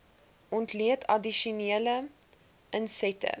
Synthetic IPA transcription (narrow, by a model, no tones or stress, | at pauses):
ʔɔntliətʰɐdiʃuniələ | ʔənsɛtə̰